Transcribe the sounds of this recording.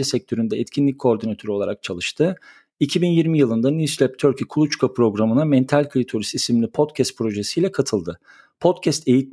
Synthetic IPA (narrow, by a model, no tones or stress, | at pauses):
ɛsɛc̚t̪ʰø̞ɾynd̪ɛɛt̪cʰinlʲic̚ʲʰːo̞ːɾd̪inat̪ʰø̞ɾo̞lˠa̰ɾak̚t͡ʃʰalˠɯʃt̪ʰɯ | icʰibinjiɾmijɯlˠɯnd̪anislʲɛp̚t̪ʰøɾcʰikʰulˠut͡ʃkʰapɾo̞ɡɾamɯnamɛnt̪ʰalʲkʰɯɾʲit̪ʰo̞ɾist̪isiminʲipʰo̞t̪cʰɛst̪̚pʰɾo̞ʒesijlʲɛkʰat̪ʰɯlˠd̪ɯ | pʰo̞t̪cʰɛst̪e̞jit̪